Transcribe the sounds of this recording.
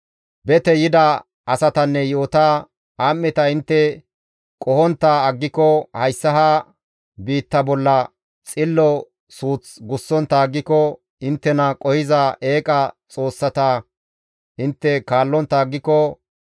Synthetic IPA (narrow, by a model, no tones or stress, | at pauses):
bɛt̪ɛjɪd̪ɐ | ɐsɐt̪ɐnːɛjoːt̪a | aːmːɛt̪ɐɪnt̪ːɛ | kʼɔhɔnt̪ːɐːɡːɪkːɔhɐjsːɐɦa | biːt̪ːɐbɔlːɐ | t͡sʼɪlːɔ | suːt͡sɡʊsːɔnt̪ːɐːɡːɪkːɔ | ɪnt̪ːɛnɐkʼɔhɪzɐʔe̞ːkʼɐt͡sʼo̞ːsːɐt̪ɐ | ʔɪnt̪ːɛkaːlːɔnt̪ːɐːɡːɪkːɔ